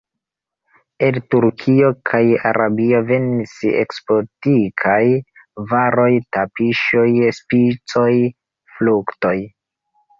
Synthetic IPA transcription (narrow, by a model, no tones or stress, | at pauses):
entuɾkʰio̞kʰaja̰ɾʔabio̞ve̞nisḛkspo̞tikʰaj | vaɾo̞jtapiʃojspit͡so̞j | flukto̞j